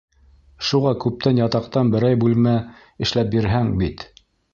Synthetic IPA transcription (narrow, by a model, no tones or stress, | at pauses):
ʃuʁɑkʉp̚t̪ænjɑt̪ɑqt̪ɑnbɘ̆ɾæjbʉlmæ | ɘ̆ʃlæp̚biɾɦæŋbit̪